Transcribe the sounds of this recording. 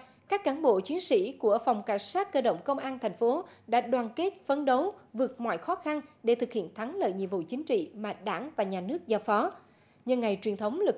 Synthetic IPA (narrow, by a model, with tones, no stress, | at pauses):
kaː˦˥kːaː˨˩˦nɓo̰˧˨t͡ɕwi˨˦ənsḭ˧˥ku˧˩əfa˨˩wŋ͡mka˧˩jŋ̟saː˦˥t̚kəː˧ɗə̰˧˨wŋ͡mkə˧wŋ͡mʔaː˧nt̪ʰɛ˨˩jŋ̟fo˨˦ɗa̰ː˧˥ɗwaː˨˩nke˦˥t̚fə˨˧nɗə˨˦wvɨ˨˩ək̚mɔ̰˧˨jxɔ˨˦xa˧nɗe˧˩t̪ʰɨ˨˩k̚hḭ˧˨ənt̪ʰa˨˦ŋlə̰ː˧˨jɲḭ˧˨əmvṵ˧˨t͡ɕï˨˦ŋ̟t͡ɕḭ˧˨maː˨˩ɗaː˧˩ŋvaː˨˩ɲaː˨˩nɨ˦˥ək̚zaː˧wfɔ˨˦ | ɲɨ˧ŋːa˨˩jt͡ɕwi˨˩ənt̪ʰə˨˦wŋ͡mlɨ˨˩